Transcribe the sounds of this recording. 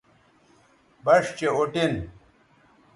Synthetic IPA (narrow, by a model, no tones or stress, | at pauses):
bɐʂt͡ɕeoʈin